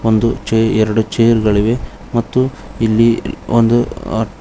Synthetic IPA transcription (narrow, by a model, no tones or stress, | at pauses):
ond̪ut͡ʃeɛɾɐɽut͡ʃejɐɾɡɐɭiʋe̞ | mɐt̪ːu | ilːiond̪u